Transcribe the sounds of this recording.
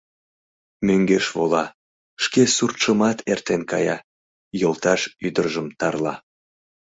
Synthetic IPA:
møŋɡeʃβolɑ | ʃkesurt̪ʃəmɑt̪ʰert̪enkɑjɑ | jolˠt̪ɑʃyd̪ərʒəmt̪ɑrlɑ̰

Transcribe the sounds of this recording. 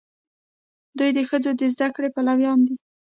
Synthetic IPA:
d̪ujd̪əxəd͡zod̪əzd̪akɽepalawjɑnd̪i

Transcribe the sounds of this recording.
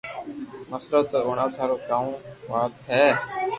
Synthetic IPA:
məsɾət̪ːoːɳaːt̪ʰaːɾoːkaːũːʋaːt̪ɦɛː

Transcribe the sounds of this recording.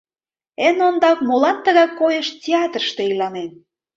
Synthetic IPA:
enond̪ɑkmolɑnt̪ə̆ɣɑkːojəʃtʲeɑt̪rəʃt̪ĕilɑnen

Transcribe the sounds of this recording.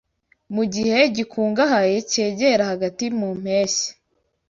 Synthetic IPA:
muɟihe̞ɟikʰuːŋɡaɦajece̞ːɟeɾahaɡatimum̥eːse̥

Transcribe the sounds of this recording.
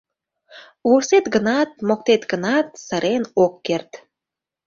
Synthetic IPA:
uset̪ɡənɑt̪̚mok̚t̪et̪ɡənɑt̪̚sə̆ɾenokːert̪

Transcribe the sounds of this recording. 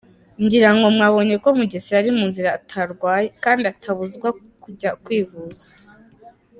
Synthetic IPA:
ɲɟiɾaŋɡo̞mŋaːβo̞ɲe̞komuɟesiɾaɾimuːnziɾaːtʰaɾɡwaːjekaːndiatʰaβuzɡwa | kuɟakwiːβuza

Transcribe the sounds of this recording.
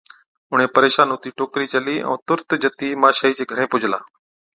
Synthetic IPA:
ʊɳ̤ẽːpəɾeːʃaːnʊt̪iːʈoːkɾiːt͡ʃəliːʔɛ̰̃ːt̪ʊɾt̪d͡ʒət̪iːmaːʃəːiːd͡ʒeːɡʱəɾẽːpʊd͡ʒʱla̰ː

